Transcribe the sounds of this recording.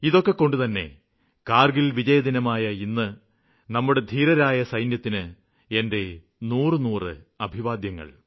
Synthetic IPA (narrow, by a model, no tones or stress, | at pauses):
iðo̞kːe̞kːo̞ɳɖut̪ɐnːe̞̰ | kaːrɡilʋid͡ʑɐjɐd̪inɐmaːjɐinːɨ | nɐmːuɽe̞d̪ʱiːɾɐɾaːjɐsɐjnjɐt̪ːinɨ | e̞nde̞ | nuːrɨnuːrɨ̰ɐbʱiʋaːd̪jɐŋːɐ̰ɭ